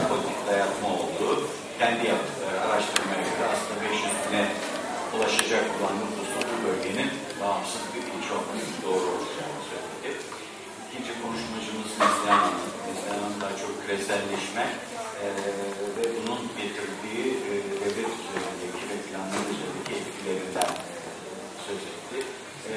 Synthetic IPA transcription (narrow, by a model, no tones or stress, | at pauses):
pʰolʲt̪ʰik̪d̪ajat̪mao̞lˠd̪uː | cʰænd̪ija | aɾaʃt̪ʰɯɾmaɟøɾɛa̰slˠɯnd̪abɛʃjyzɟʲinɛ | ulˠaʃad͡ʒak̚olˠanmuɾk̪usabuɾbø̞lʲɟe̞ninvaːɦmsɯzbiɾit͡ʃʰapad̪o̞ːɾuolˠonusøjlʲe̞d̪ɪ | icʰind͡ʒɛkʰo̞nuʃmad͡ʒɯmɯzneselʲanɛselʲad̪aːt͡ʃʰo̞kkʰyɾesælʲːɛʃmɛ | vɛbununɟe̞t̪ʰiɾd̪iːeb̪ɛt̪y̥t̪eɾind̪ecʰibɛcʰlʲanmˠaɾɯyzeɾid̪ecʰiɛt̪cʰilʲe̞ɾind̪æn | sø̞zɛt̪ʰːɪ